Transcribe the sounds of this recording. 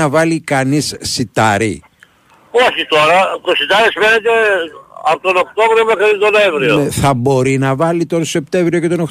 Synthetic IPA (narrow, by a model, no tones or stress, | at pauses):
ɐvɐlikɐnisːit̪ɐɾḭ | oçit̪oɾɐt̪osit̪ɐɾisfe̞net̪e̞ɐpot̪onokt̪o̞vɾiomexɾit̪onoevɾioθɐbo̞ɾinɐvɐlit̪onsose̞p̚t̪e̞ɱvɾio̞ce̞t̪o̞nox